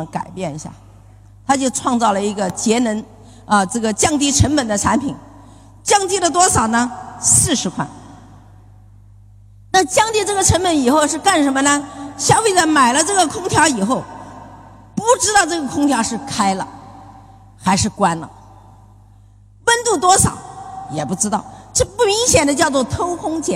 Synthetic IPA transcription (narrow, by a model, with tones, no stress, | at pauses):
ka̰˨˩ɪpjɛ˥˩ni˧˥ɕja̰˥˩ | t̪ʰa˥t͡ɕjo˥˧ʊʈ͡ʂʰwɑ˥˧ŋt͡sɑ˥˩ʊlə˩i˧˥ɡə˧t͡ɕjɛ˧˥nə˧˥n | ə˧ʈ͡ʂɤ˥˩ɡə˩t͡ɕjɑ˥˧ŋt̪̬i˥˩ʈ͡ʂʰə˧˥npə˨˩nd̪ə˦ʈ͡ʂʰa˧˥npʰi˨˩˦n | t͡ɕjɑ˥˧ŋt̪̬i˥˩ɾdə˩t̪wɔ˥ʂɑ˨˩ʊnə˦sɹ̩˥˩ʂɻ̩˧˥kʰwa̰˥˩n | na˥˧t͡ɕjɑ˥˧ŋt̪i˥˧ʈ͡ʂɤ˥˩ɡə˩ʈ͡ʂʰə˧˥npə˧˥ni˨˩xo˥˧ʊʂɻ̩˥˧ka˥˩nʂə˧˥nmə˧nə˧ɕjɑ˥ʊfe˥ɪt͡sa˥˩ma˨˩ɪlə˦ʈ͡ʂɤ˥˩ɡə˩kʰʊ˥ŋt̪ʰjɑ˧˥ʊi˨˩xo˥˩ʊ | pu˥˩ʈ͡ʂɻ̩˥t̪ɑ˥˧ʊʈ͡ʂɤ˥˩ɡə˩kʰʊ˥ŋt̪ʰjɑ˧˥ʊʂɻ̩˥˩kʰa˥ɪlə̰˨ | xa˧˥ɪʂɻ̩˥˩kwa˥nlə̰˨ | wə˥nt̪u˥˩t̪wɔ˥ʂɑ̰˨˩˦ʊjɛ˨˩pu˥˩ʈ͡ʂɻ̩˥t̪ɑ˥˩ʊʈ͡ʂɤ˥˩pu˥˩mi˧˥ŋɕjɛ˨˩nd̪ə˦t͡ɕjɑ˥˧ʊt͡swɔ˥˩t̪ʰo˥ʊkʰʊ˥ŋt͡ɕʰjɛ˧˥